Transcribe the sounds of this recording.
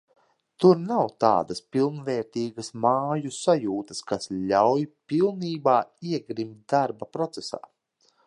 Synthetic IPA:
t̪uɾnawt̪a̰ːd̪ɐspilˠnvɛːɾt̪iːɡɐsmaːjusajuːt̪əskasʎʲawjpilˠniːbaːiɛɡɾimt̪̚d̪aɾbapɾɔt̪sesa̰ː

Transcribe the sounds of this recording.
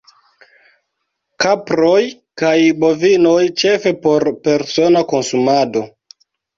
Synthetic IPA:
kapɾo̞j | kajbo̞vino̞jt͡ʃe̞fe̞po̞ɾpe̞ɾso̞nako̞nsumado̞

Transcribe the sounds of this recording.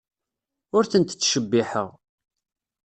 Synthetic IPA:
ʊɾθənt̪ət͡sːʃəbːiħə̰ʁ

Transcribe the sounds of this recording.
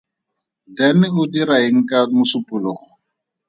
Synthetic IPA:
dɛnɪʊdiɾaeŋ̩kʼamʊsʊpʼʊlɔːɔ

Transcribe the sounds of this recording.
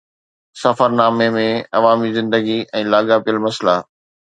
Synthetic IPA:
sɐfəɾnaːmemẽɐʋaːmizɪ̃nd̪əɡiɛ̃ːlaːɡapijəlmɐsla

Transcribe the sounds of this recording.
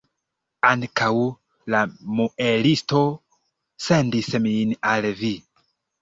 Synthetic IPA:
aŋkʰaw | lamuʔelisto | sendiseminalvi

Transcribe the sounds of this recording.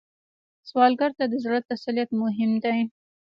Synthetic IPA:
swɑlɡaɾt̪ad̪əzɾat̪ːasalijat̪mʊɦɪmd̪aj

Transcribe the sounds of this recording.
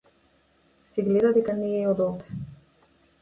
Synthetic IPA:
sɛɡlɛd̪ad̪ɛkanijɛɔd̪ɔlt̪ɛ̥

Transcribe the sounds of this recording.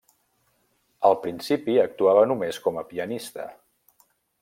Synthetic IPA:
əlˠpɾinsipiək̚t̪uaβənumeskɔməpiənist̪ə̰

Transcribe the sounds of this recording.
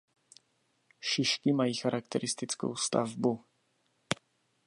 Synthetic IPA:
ʃɪʃkimajixaɾʔak̚t̪ɛɾɪst̪ɪt͡sko̰wst̪a̰vbu

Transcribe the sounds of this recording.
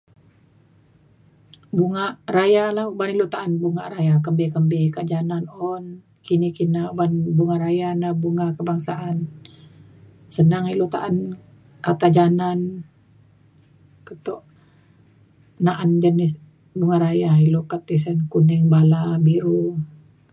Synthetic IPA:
buŋaʔrajalahubanilot̪aʔanbuŋaʔɾajakəmbɛkəmbɛkad͡ʒananɔn | kinikinaubanbuŋaɾajanahbuŋakəbaŋsaʔan | sənaŋilot̪a̰ʔan | kat̪ad͡ʒanan | kət̪ɔʔ | naʔand͡ʒənɪs | buŋaɾajailokat̪is̬ənkunɛŋbalabiɾu

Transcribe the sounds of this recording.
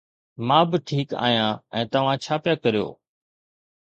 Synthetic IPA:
mãːbɪʈʰiːka̰ːɦijãːɛ̃ːt̪ɐʋ̤ãt͡ɕʰaːpjaːkɐɾijo̰ː

